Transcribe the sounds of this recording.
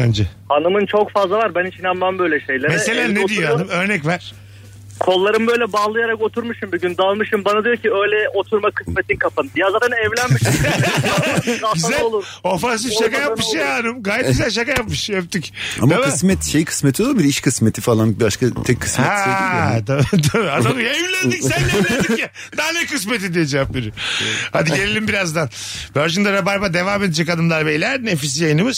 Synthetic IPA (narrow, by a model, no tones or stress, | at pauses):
and͡ʒɛhanɯmɯnt͡ʃʰokfazlˠavaɾbænit͡ʃʰinambambø̞jlʲɛʃe̞jlʲeɾmeɛselʲæned̪ijohanɯmøɾnɛcvæɾ̥ | kʰo̞lˠːaɾɯmbø̞jlʲɛbalˠɯjaɾako̞t̪ʰuɾmuʃɯmbyɟynd̪alˠmɯʃɯmbanad̪ijoɾciøjlʲɛʔot̪ʰuɾmakʰɯsmet̪ʰinkʰapʰanɯd̪ijazaːt̪ʰɛnɛvlʲænmmiʃ | aɟyzælolˠuɾofãns̬ifʃakajap̚mɯʃjaanɯmɡaːjɛt̪̚ɟyzælʲʃ̬akajapmɯʃep̚t̪ica̰mʰamɯsmɛt̪ʃejkʰɯ̥smet̪ʰiolˠabiɾiʃkʰɯsmet̪ʰifalˠanbibaʃkat̪ʰɛkʰːɯ̥smhɛɛst̪ʰat̪ʰabiad̪alɯjaevlʲænd̪icsænd̪elʲjɛ | d̪aɦanɛkɯs̬me̞t̪̬id̪ijed͡ʒɛapbiɾihad̪iɟɟelʲelʲimbiɾazd̪an | bøɾd͡ʒind̪aɾabaɾbad̪e̞vaːme̞d̪ed͡ʒɛkad̪ɯmlˠaɾbejlʲæɾnefis̬jajɯnɯmɯz̥